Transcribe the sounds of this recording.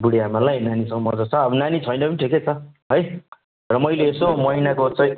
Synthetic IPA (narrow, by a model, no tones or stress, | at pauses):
buɽeamalajnanisʌ̃ŋʌmʌd͡zʌt͡sʰʌːbʌnanit͡sʰʌjnʌpʌniʈʰiket͡sʰʌɦʌj | rʌmʌjleːsomʌɦinakot͡sʌj